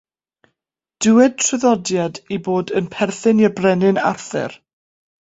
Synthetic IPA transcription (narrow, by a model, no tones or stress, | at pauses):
d̥ɪwɛd̚tʰrɨðɔdjadiboːdənpʰɛrθɨnjəbrɛnɪna̰rθɛ̰r